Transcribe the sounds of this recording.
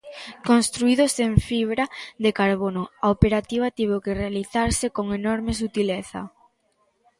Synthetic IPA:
konst̪ɾuiðoseɱfiβ̞ɾaðekaɾβonoaopeɾat̪iβat̪iβewkerealiθaɾsekoŋenɔɾmes̬ut̪ileθa̰

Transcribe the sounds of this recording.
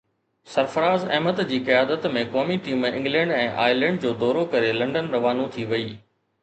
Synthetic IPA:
sɐɾfəɾaːzɐ̰ɦmət̪d͡ʑiːkijaːd̪ət̪mẽkɔːmiʈiːmɪ̃ŋɡlɛ̃ːɳɖɛ̃ːʔa̰ːɪlɛ̃ːɳɖd͡ʑoːd̪ɔːɾokɐɾelɐ̃ɳɖənɾɐʋaːnũt̪ʰiʋɐiː

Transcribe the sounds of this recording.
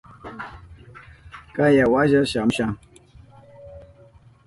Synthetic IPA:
kajawaʒaʃam̩ʃaŋ

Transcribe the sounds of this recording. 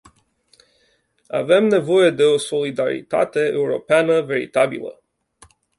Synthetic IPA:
a̰ve̞mne̞vo̞je̞d̪e̞o̞so̞lid̪aɾḭt̪a̰t̪e̞euɾo̞̰peanəve̞ɾḭt̪abḭlə̰

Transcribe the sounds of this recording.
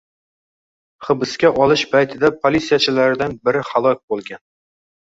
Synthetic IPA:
χɨ̆bɪskʲaʔɒlˠɪʃbajt̪ʰɪd̪apʰolʲit̪sijat͡ʃʰɪlaɾɪd̪anbɪɾɪχalˠɒk̚ʲbolˠɡʲan

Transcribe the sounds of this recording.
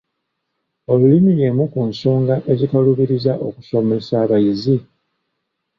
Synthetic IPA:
o̞lulimije̞ːmukunso̞ːŋɡaʔe̞zikaluβiɾizaʔo̞ku̥ʃo̞me̞saːβajizi

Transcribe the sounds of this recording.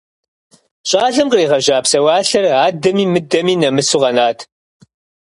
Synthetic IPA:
ɕʼɑːɮɨmqriːʁɐʒaːpsɐwaːɬɐraːdɐmiːmɨdɐmiːnɐmɨsuʁɐnaːtʰ

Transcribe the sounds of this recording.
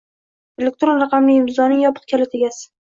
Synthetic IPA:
elʲek̚t̪ɾonɾɑqʰɑmlɪɪmɪzɒnɪŋjɒpʰɨ̥q̚kʲʰalɪt̪ʰeɡʲasɪ̥

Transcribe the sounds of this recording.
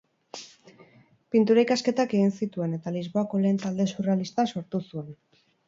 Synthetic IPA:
pint̪uɾaikaske̞t̪ake̞ɣinsit̪ue̞ne̞t̪alizβo̞ako̞le̞ːnt̪ald̪e̞suralist̪aso̞ɾt̪usue̞n

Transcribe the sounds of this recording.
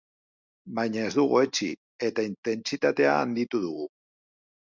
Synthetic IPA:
bajɲae̞zd̪uɣ̞oe̞t͡ʃḭ | e̞t̪aint̪e̞nt͡sit̪at̪e̞a̰ːnd̪it̪uðuɣu

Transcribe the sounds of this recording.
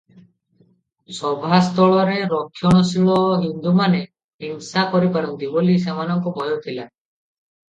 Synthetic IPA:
sɔbʱast̪ɔɭɔɾeɾɔkʰːjɔɽ̃ɔsiɭɔɦind̪umane | ɦiŋsakɔɾipaɾɔnt̪ibolis̬emanɔŋkɔbʱɔjɔt̪ʰila

